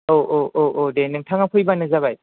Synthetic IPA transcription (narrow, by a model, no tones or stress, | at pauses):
oʔoʔoʔodenɯŋtʰaŋapʰɯjbanɯzaβaj